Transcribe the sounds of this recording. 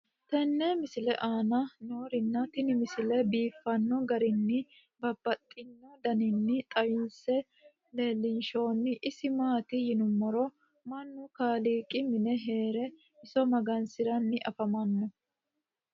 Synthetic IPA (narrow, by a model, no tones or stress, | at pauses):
t̪ɛnːɛmɪsɪlɛ̰ʔaːnɐno̞ːɾɪnːɐt̪ɪnɪmɪsɪlɛbiːfːɐnːɔɡɐɾɪnːɪ | bɐbːɐt̪ʼːɪnːɔd̪ɐnɪnːɪt̪ʼɐjɪnsɛ | le̞ːlːɪnʃo̞ːnːɪʔɪsɪmaːt̪ɪjɪnʊmːɔɾɔ | mɐnːʊkaːliːkʼɪmɪnɛɦe̞ːɾɛ | ɪsɔmɐɡɐnsɪɾɐnːɪʔɐfɐmɐnːɔ